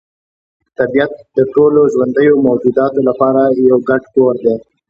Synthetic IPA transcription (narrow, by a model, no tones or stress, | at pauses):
t̪abijat̪̚d̪əʈoloʒwand̪əjomawd͡ʒud̪ɑt̪olapɑɾajawɡaʈkoɾd̪e